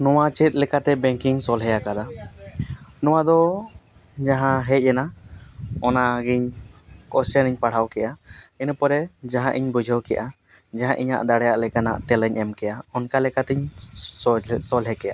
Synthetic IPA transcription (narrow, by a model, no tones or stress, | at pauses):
nɔwat͡ʃit̪̚ˀlɛkat̪ɛbɛŋkiŋsɔlɦɛjakad̪a | nɔwad̪ɔ | d͡ʒaɦãɦɛc̚ˀɛna | ɔnaɡiɲkɔsɛniɲpaɽ̤awkɛʔainpɔɾɛd͡ʒaɦãʔiɲbud͡ʒʱɔwkɛʔa | d͡ʒaɦãʔiɲa̰ʔd̪aɽɛjaʔlɛkana̰ʔt̪ɛlɛɲʔɛmkɛjaɔnkalɛkat̪ɛɲ | sɔlɦɛkɛja̰